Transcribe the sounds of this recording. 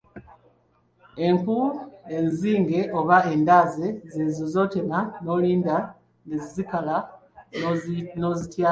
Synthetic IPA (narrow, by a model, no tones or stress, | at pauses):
e̞ŋkue̞nziːŋɡe̞ʔo̞βae̞ndaːze̞zeːzozo̞tenano̞liːnda | nezzikala | nozitjaː